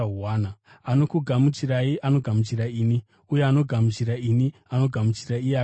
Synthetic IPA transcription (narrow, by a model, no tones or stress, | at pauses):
uaːna | ano̞kuɡʱamut͡ʃiraiʔano̞ɡʱamut͡ʃiraiːni | ujeano̞ɡʱamut͡ʃiɾainiano̞ɡʱamut͡ʃiraiea